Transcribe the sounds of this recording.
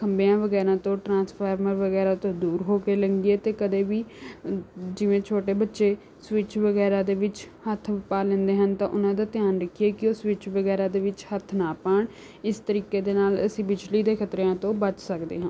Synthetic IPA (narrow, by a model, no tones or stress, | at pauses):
kʰəmbejãːʋəɡɛːɾãːt̪õːʈɾãːspʰaːɾməɾʋəɣɛːɾaːt̪õːd̪uːɾɦoːkeːləŋɡieːt̪eːkəd̪eːʋiː | d͡ʒɪʋẽːt͡ʃʰoːʈeːbətːʃeː | swɪt͡ʃʋəɡɛːɾãːd̪eːʋɪt͡ʃ | hət̪ʰpaːlɛ̃nd̪eːɦənt̪ãːʔʊnãːd̪aːt̪ɪjaːnɾəkʰieːkɪoːswɪt͡ʃʰʋəɡɛːɾaːd̪eːʋɪt͡ʃhət̪ʰnaːpaːɳ | ɪst̪əɾiːkeːd̪eːnaːlə̰sĩːbɪd͡ʒliːd̪eːkʰət̪ɾeãːt̪õːbət͡ʃsəkd̪ḛːɦãː